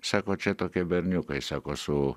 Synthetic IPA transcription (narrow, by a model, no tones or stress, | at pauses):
sakot͡ʃet̪okebeɾnukoisakosu